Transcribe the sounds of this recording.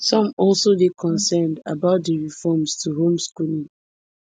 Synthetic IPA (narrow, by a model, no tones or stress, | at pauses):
sɔ̃mɔlsodekʰɔ̃nsɛnda̰baʊt̚deɹifɔmstʰuɦõmskulĩŋ